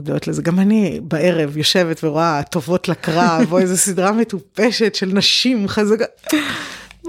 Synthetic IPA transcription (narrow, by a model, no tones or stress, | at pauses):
dotlezeɡamanibae̞ʁevjo̞ʃe̞vetveʁoat̪o̞vo̞tlakʁavoezesidʁametupeʃe̞tʃe̞lnaʃimχazaka